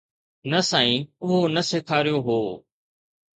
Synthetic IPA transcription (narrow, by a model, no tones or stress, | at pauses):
nɐsãːĩːʊɦonɐseːkʰaːɾijoɦoː